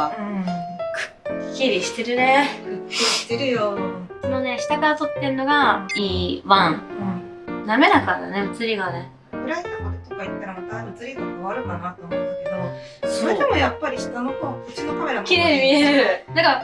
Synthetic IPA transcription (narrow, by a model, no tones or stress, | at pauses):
ɯ̟̃kɯ̥ | iɾʲiɕi̥t̪e̞ɾɯ̟neɯkʲːiɾiɕi̥t̪e̞ɾɯ̟josono̞ne̞ɕi̥t̪akaat̪o̞t̪ːeɾɯno̞ɡaiːβãɴɯ̃ɴ | name̞nakat̪ːa̰neɯt͡sɨɾʲiɡad̪e | ɯ̟ɾait̪akot̪ot̪okait̪ːaɾamat̪aɯt͡sɨɾʲiɡaoβaɾɯ̟kanat̪ːoomot̪ːake̞d̪o̞ | soɾed̪emo̞japːaɾʲiçi̥t̪anokokɯt͡ɕinokame̞ɾamkʲːiɾeɲimʲiɯnãka